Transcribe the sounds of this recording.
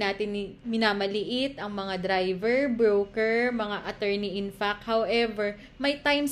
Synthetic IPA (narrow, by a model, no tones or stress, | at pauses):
naːt̪ɪnɪmɪnaːmɐlɪʔɪt̪ʔɐŋmɐŋad̪ɾajvɛɹbɹowkɛɹmɐŋaʔɐt̪ɛɹniʔɪnfakhawʔɛvɛɹ | mɐjt̪ajms